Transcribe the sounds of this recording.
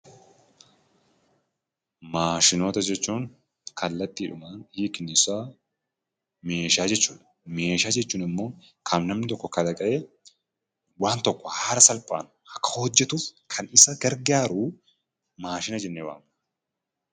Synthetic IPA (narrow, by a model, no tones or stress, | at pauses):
maːʃɪno̞ːt̪ɐd͡ʒɛt͡ʃːuːŋ | kʰɐlːɐt̪ːiːᶑʊmaːnhiːkɪnːɪsaː | me̞ːʃaːd͡ʒɛt͡ʃːuːᶑ̪ɐ̥ | me̞ːʃaːd͡ʒɛt͡ʃːuːnɪmːo̞ː | kʰɐmnɐmnɪt̪ɔkːɔkɐd̪ɐkʼɐʔeː | waːnt̪ɔkːɔhaːɾɐsɐlpʼa̰ːnʊ̥ʔɐkːɐ̥hɔd͡ʒːɛt̪uːfkʰɐnɪsɐɡɐɾɡaːɾu | maːʃɪnɐd͡ʒɛnːeːwa̰ːm